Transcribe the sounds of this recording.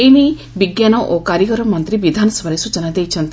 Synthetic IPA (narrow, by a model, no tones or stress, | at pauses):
ejni | biɡjanɔʔokaɾjəkɔɾɔmʌnt̪ɾibid̪ʱanɔsɔbʱaɾesut͡ʃɔnad̪ejt͡ʃʰʌnt̪